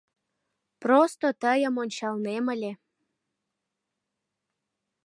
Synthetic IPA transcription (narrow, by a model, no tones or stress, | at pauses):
prost̪ot̪əjə̆monʲt͡ɕɑlneməlʲe